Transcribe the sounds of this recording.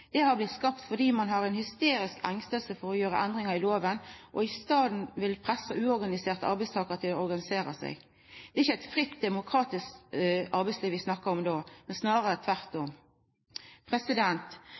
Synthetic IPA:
d̪̥ɛhɑɾblɪt̪skɑpt̪fɔd̪iːmɑnɦɑɾɛnhʏst̪eːɾɪskæŋst̪əlsəfɔɾɔjøːɾə̰ʔɛnd̪ʁɪŋɑɾɪloːʋənʔɔɪst̪ɑːd̪n̩ʋɪlpʰʁɛsːɑʔʉːɔɾɡɑnɪseːʁt̪əɑɾbɛɪst̪ʰɑːkəʁt̪ʰɪlɔɔɾɡɑnɪseːɾəsæ̰ɪɡ | d̪̥ɛːɾɪçːəæɪt̪fɾɪt̪d̪ɛmʊkʰɾɑːt̪ɪskt̪ɑɾbɛɪtsliːʋɪsnɑkːəɾɔmd̪oːmɛnsnɑːʁəɾət̪ʰʋæʁt̪ʊm | pʰʁɛsɪd̪ɛnt̪

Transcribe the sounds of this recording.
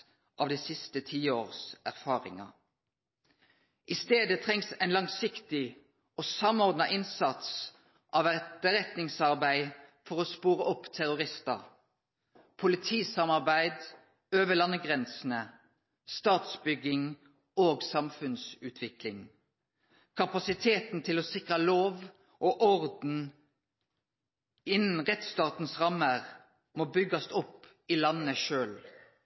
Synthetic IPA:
ʔɑːʋd̪ɛsɪst̪ət̪ʰiːoːʁsæʁfɑːʁɪ̰ŋɑ̰ | ʔɪst̪eːd̪ət̪ʰʁɛŋsæɪnlɑŋsɪkt̪ɪ | oːsɑmɔʁd̪nɑʔɪnsɑt̪s | ʔɑʋæt̪əʁɛt̪nɪŋsɑʁbæɪfɔʁoːspuːʁəʔɔpːt̪ʰæʁʊʁɪst̪ɑ̰ | pʰʊlɪt̪ʰiːsɑmɑʁbæɪd̪ | øːʋəlɑnːəɡʁɛnsn̩ə | st̪ɑːt̪sbʏɡɪŋ | oːɡsɑmfʉnsʉːt̪ʰʋɪklɪŋ | kʰɑpɑsɪt̪ʰeːt̪n̩t̪ʰɪloːsɪkʁəloːʋ | ʔoʔɔʁd̪n̩ | ɪnn̩ʁɛt̪st̪ɑːt̪n̩sʁɑmːəʁ | moːbʏɡɑsʊp | iːlɑnːəʃøːl

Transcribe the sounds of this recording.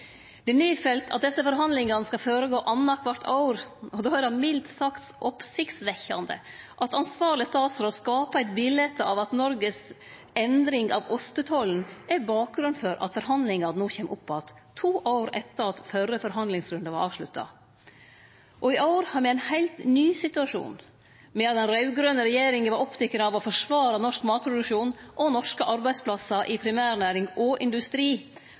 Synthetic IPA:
d̪̥ɛnyːfɛlt̪ʰɑt̪̚d̪ɛsːəfɔɾɦɑnd̪lɪŋɑnəskɑføːɾəɡoːʔɑnːɑkʰʋɑɾt̪ʰɑ̰ʊɾɔd̪oːæɾdɑmɪlt̪sɑkt̪sʔɔpsɪkt̪sʋɛçːɑnd̪ə̰ʔɑt̪ɑnsʋɑːɾɭɪəst̪ɑːt̪sɾoːskɑːpɑæɪt̪bɪlɛt̪ːɑʋɑt̪nɔɾɡəs | ɛnd̪ɾɪŋɑʋɔst̪ət̪ʰɔln̩æɾbɑːk̚ɡɾʉnfɔɾʔɑ̰t̪fɔɾɦɑnd̪lɪŋɑɾnuːçɛːmʔʊpʰːɔɑt̪ʰːuːʔaʊɾɛt̪ːəɾɑt̪fœrːəfɔɾɦɑnd̪lɪŋsɾʉnd̪ɑʋɑɾʔɑːʋʂɭʉt̪ːɑ̰ | ʔɔɪʔɑʊɾhɑɾmɛæɪnhæɪlt̪nyːsɪt̪ʉɑʂṵːn | mɛɑt̪̚d̪ɛnɾɑʉɡɾœnəɾɛjeːɾɪŋəʋɑɾɔpt̪ʰɛkːənɑːʋɔfɔʂʋɑːɾɑnɔʂkmɑːt̪̚pʰɾʊd̪ʉkʂuːnʔɔnɔʂkəʔɑɾbæɪspʰlɑsɑʔɪpʰɾɪmæːɾnæːɾɪŋɔʔɪnd̪ʉst̪ɾiː

